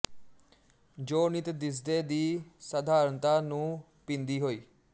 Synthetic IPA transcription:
d͡ʒoːnɪt̪d̪ɪs̬d̪eːd̪iːsəd̪aːɾənt̪aːnũː | pɪ̃nd̪iːɦoːiː

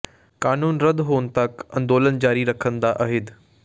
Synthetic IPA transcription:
kaːnuːnɾɐd̪ʱɦoːnt̪ɐkɐ̃nd̪oːlənd͡ʑaːɾiɾɐkʰə̃nd̪aʔɐɦɪd̪

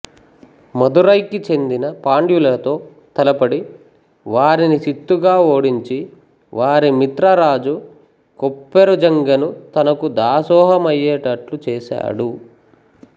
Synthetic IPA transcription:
mɐd̪uɾɐjkit͡ʃe̞nd̪inɐpaːɳɖjulɐt̪o̞ː | t̪ɐlɐpɐɽi | ʋaːɾinisit̪ːuɡaːo̞ːɽiɲt͡ʃi | ʋaːɾimit̪ɾɐɾaːd͡ʒu | kopːeɾud͡ʒɐŋɡɐnut̪ɐnɐkud̪aːsɔːɦɐmɐjːɛːʈɐʈlut͡ʃɛːsa̰ːɽu

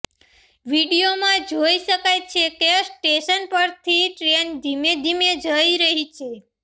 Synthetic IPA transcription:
ʋiɽijomãd͡ʒoiʃəkajt͡ʃʰekesʈeʃənpəɾt̪ʰiʈɾend̪ʱimed̪ʱimed͡ʒəiɾəɦit͡ʃʰe

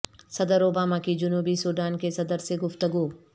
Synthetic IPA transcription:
sɐd̪əɾoːbaːmakid͡ʒʊnuːbisuːɖ̪aːnkesɐd̪əɾseɡʊft̪əɡuː

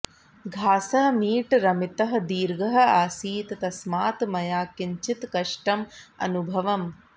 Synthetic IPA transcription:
ɡʱaːsɐɦɐmiːʈɾɐmit̪ɐɦɐ̆d̪iːɾɡɐɦɐ̆aːsiːt̪ɐt̪ɐsmaːt̪mɐjaːkiɲt͡ʃit̪kɐʂʈɐmɐ̰nubʱɐʋɐm

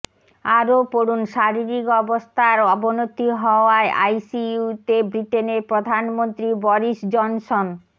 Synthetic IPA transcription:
aɾopoɾunʃaɾiɾikɔbost̪ʰaɾɔbonot̪iɦɔoaeʔa̰jsiut̪ebɾiʈeneɾpɾod̪ʱanmont̪ɾibɔɾiʃd͡ʑɔnson

